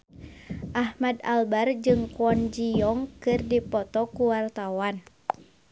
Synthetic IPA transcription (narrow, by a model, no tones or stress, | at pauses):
ʔahmadalbard͡ʒɨŋkuɔnd͡ʒijɔŋkɨrdipɔt̪ɔkuwart̪awan